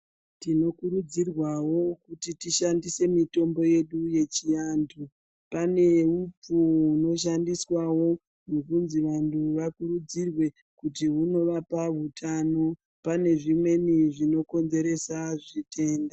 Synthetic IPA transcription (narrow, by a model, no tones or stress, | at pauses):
tino̞kuɾud͡zirwawo̞kutitiʃandise̞mito̞mbo̞je̞ɗuje̞t͡ʃijandʰu | pane̞up͡fuuno̞ʃ̬andiswawo̞ | nokunziʋantʰuʋakuɾud͡zirwe̞ | kutiɦuno̞ʋapaʋutʰano | pane̞ʐimwe̞niʐino̞ko̞nze̞ɾe̞saʐitʰe̞ːnda